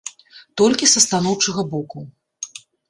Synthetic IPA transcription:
t̪ɔlʲkʲisɐst̪anɔwt͡ʂɐɣɐbɔku

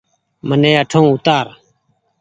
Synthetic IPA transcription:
mənẽːəʈʰõːʊt̪aːɾ

